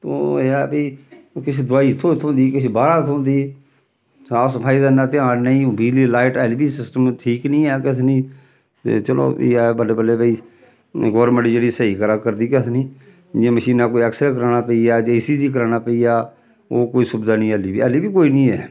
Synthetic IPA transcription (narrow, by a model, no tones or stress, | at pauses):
t̪õ̰ːeɛːbiːkɪt͡ʃʰd̪ʊaːiːɪt̪ʰːõːɪt̪ʰːõːnd̪iːkɪt͡ʃʰbaːɾaːt̪ʰõːnd̪iː | saːsəpʰaːiːd̪anaːt̪ɪãːnnəĩːbiːlilaːɪʈɛːlbiːsɪsʈəmʈʰiːknĩːɛːkɪt̪ʰniː | t̪ḛːt͡ʃəlõ̰ːḭaːbəleːbəleːbəiː | ɡɔːɾmə̃ɳʈd͡ʒeːɽiːsəiːkəɾaːkəɾd̪iːkət̪ʰnĩː | d͡ʒẽːməʃiːnaːkoːiɛːksɾɛːkəɾaːnaːpəiaːd͡ʒaːɪsiːziːkəɾaːnaːpəiːjaː | o̰ːkoːiːsʊbd̪aːnĩːɛliːbḭːəliːbiːkoːiːnĩːɛː